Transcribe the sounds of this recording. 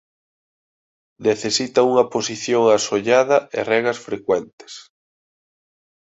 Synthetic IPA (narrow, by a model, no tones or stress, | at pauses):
neθesit̪ɐuŋɐposiθjoŋasoʎaðɐḛrɛɣɐsfɾekwɛnt̪ɪ̥s